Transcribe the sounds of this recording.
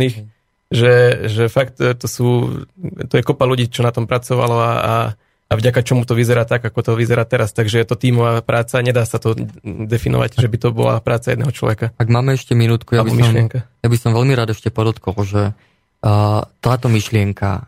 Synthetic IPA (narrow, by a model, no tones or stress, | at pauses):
ix | ʒɛʒɛfakt̪t̪ɔsuː | t̪ɔjɛkɔpaluɟiːt͡ʃɔnat̪ɔmpɾat͡sɔʋa̰lɔaa̰ | avɟakat͡ʃɔmut̪ɔʋizɛɾaːt̪aɡakɔt̪ɔʋizɛɾaːt̪ɛɾast̪aɡʒɛjɛt̪ɔt̪iːmɔʋaːpɾʔaːt͡saɲɛd̪aːsat̪ɔd̪ɛfinɔ̰ʋa̰ɟʒɛbit̪ɔbɔ̰la̰pɾaːtt͡sajɛd̪nɛ̰ɦɔt͡ʃlɔ̰ʋɛkaaɡmaːmɛɛʃcɛminuːt̪kujabiɔmiʃlɪɛŋkajabisɔmʋɛʎmiɾaːd̪ɛʃcɛpɔd̪ɔt̪kɔlʒɛ | t̪aːt̪ɔmiʃlɪɛŋka̰